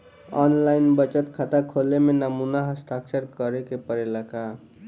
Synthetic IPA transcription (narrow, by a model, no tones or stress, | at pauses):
ɔnlainbət͡ʃət̪kʰat̪akʰolemenəmunaɦəst̪ʰaksəɾkəɾekepəɾeləka